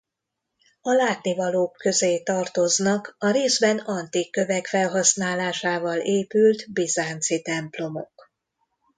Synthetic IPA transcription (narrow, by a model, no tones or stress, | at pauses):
ɒlaːt̪nivɒloːkːø̞zeːt̪ɒrt̪o̞znɒkɒɾeːzbɛnɒnt̪ikːø̞vɛkfɛlɦɒsnaːlaːʃaːvɒleːpylt̪bizaːnt̪sit̪ɛmplo̞mo̞̰k